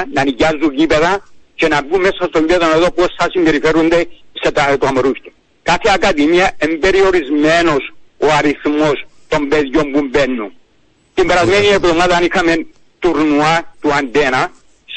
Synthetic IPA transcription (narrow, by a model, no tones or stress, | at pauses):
nɐniɟazːuɟipeðɐt͡ʃenɐbumesːɐst̪oɲibeðoneðopuosθɐsimbeɾifeɾund̪eset̪at̪uamoɾuft̪e | kaθeakaðimiɐembe̞ɾio̞ɾizmeno̞soaɾiθmo̞st̪o̞mbeðjombumbenːu | t̪imbeɾɐzmenieɡðomaðɐnixɐmen | t̪uɾnuɐt̪uand̪enɐ | s